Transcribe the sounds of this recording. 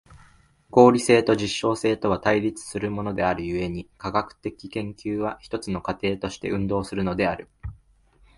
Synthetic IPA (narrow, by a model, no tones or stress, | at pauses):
ɡo̞ːɾʲise̞ːt̪o̞ʑiɕːo̞ːse̞ːt̪o̞βat̪aiɾʲit͡sɨ̥sɨɾɯ̟mo̞no̞d̪e̞aɾɯ̟jɯ̟e̞ɲ̟ikaɡakɯ̟̥t̪e̞kʲi̥kẽ̞ŋkʲɨːβ̞açi̥t̪o̞t͡sɨno̞kat̪e̞ːt̪o̞ɕi̥t̪e̞ʔɯ̟̃nd̪o̞ːsɨɾɯ̟no̞d̪e̞aɾɯ̟